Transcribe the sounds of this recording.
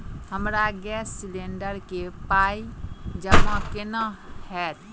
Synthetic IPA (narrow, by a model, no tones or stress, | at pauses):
həmɾaɡɛsːileɳɖəɾkepaid͡ʒəmãkenəhɛt̪